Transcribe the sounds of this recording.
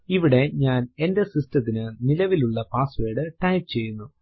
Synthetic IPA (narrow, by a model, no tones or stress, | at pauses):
iʋiɽe̞ɲaːne̞nde̞sistɐt̪ːinɨnilɐʋiluɭːɐpaːsʋe̞ːɽɨʈɐjp̚t͡ɕe̞jːunːu